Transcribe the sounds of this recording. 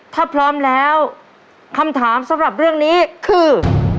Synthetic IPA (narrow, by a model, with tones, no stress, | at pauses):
t̪ʰaː˥˩pʰɾɔː˦˥mlɛː˦˥w | kʰa˧mt̪ʰaː˩˦msa˩˦mɾa˨˩p̚ɾɯ˥˩əŋniː˦˥kʰɯː˧